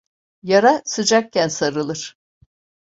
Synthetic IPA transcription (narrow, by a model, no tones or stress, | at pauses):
jaɾasɯd͡ʒak̚cænsaɾɯlˠɯɾ̥